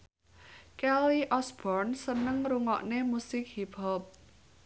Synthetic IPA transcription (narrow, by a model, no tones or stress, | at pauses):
kɛliʔɔsb̥ɔrnsənəŋruŋɔ̰ʔnemusɪk̚hibɔp̚